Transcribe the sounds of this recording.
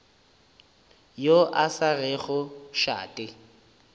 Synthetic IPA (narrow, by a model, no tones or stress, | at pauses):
joʔasarɛɣʊʃa̰ːtʼɪ